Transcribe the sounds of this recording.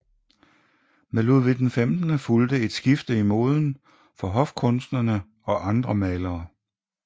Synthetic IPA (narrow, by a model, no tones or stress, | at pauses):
meluð̰ˠʋed̥enfemd̥nəfuld̥əe̝d̥sɡ̥ifd̥əimo̝̰ːð̞ˠn̩ | fɒ̽ɦɒ̽fkʰɔ̽nsd̥nɐnə | ɒ̽ʔɑ̈nd̥ʁɐmɛːlɐː